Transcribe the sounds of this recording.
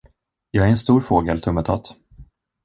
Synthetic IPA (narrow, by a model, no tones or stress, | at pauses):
jɑːɡæɾɛnst̪uːɾfoːɡəlt̪ʰɵmːət̪ʰɔ̰t̪